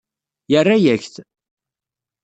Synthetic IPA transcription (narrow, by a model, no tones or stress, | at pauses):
jərːajæçθ